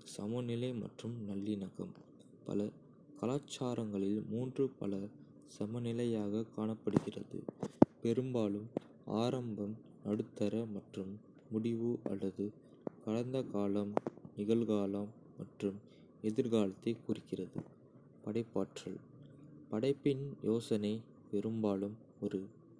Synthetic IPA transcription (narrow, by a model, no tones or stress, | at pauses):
sɐmɐnɪlɐɪmɐ̰ʈrɯmnɐlːɪnɐɣɐm | pɐ̰lɐ | kɐlaːt͡ʃːaːɾɐŋɡɐɭɪlmuːndrɯpɐ̰lɐ | sɐmɐnɪlɐjaːɣɐkaːɳɐpːɐɽɯɣɪrɐ̰ðɯ̰pɛɾɯmbaːlɯm | a̰ːɾɐmbɐmnɐɽɯt̪ːɐɾɐmɐʈrɯmː | ʊɽɪʋɯʔɐ̰lːɐðɯ | kɐɽɐnd̪ɐkaːlɐmnɪɣɐɭɣaːlɐmːɐʈrɯm | ɛðɪɾɣaːlɐt̪ːɐɪkʊrɪkːɪrɐðɯ̰ | pɐɽɐɪpːaːʈɣɐ̰ɭ | pɐɽɐɪpːɪnjoːsɐnɐɪ | pɛɾɯmbaːlɯm | ɔɾɯ